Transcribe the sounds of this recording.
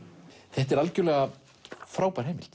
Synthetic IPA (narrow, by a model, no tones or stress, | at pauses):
θɛht̪ɛɾalcʏɾlɛːɣa | fɾaːwpaɾɦɛːjmɪ̰l̥t̪